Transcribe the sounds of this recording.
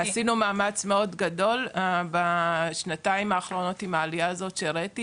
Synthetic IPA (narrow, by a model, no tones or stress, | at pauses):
hasinumaːmat͡smeo̞dɡado̞lbaʃnataimaːχɾo̞no̞t̪imaːlijaːzo̞tʃeɾeeti